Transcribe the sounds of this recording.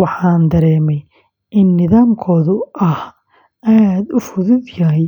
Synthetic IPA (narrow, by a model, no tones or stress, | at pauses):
wɑħɑːnd̪ɐɾɛːmɛj | ʔɪnːɪðaːmkʰɔːðʊʔɐh | ʔaːd̪ʊfʊðʊd̪jɐɦɛj